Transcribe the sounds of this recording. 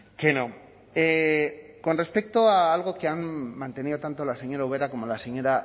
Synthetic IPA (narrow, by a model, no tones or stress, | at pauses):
keno | e | ko̞nre̞spe̞k̚t̪oaːlɣ̞o̞keanːant̪e̞nio̞t̪ant̪o̞lase̞ɲo̞ɾauβ̞e̞ɾako̞mo̞laseɲo̞ɾa